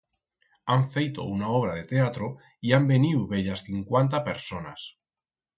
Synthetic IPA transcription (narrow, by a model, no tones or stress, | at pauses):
aɱfejt̪o̞̰unaoβ̞ɾað̞e̞t̪e̞at̪ɾo | iambe̞niwβe̞ʎasθiŋkwant̪̬ape̞ɾso̞nas